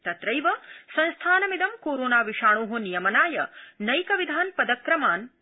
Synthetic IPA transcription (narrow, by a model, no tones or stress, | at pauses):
t̪ɐt̪ɾɐjʋɐsɐ̃nst̪ʰaːnɐmid̪ɐmkoːɾoːnaːʋiʂaːɳ̃oːɦunijɐmɐnaːjɐnɐjkɐʋid̪ʱaːnpɐd̪ɐkɾɐmaːn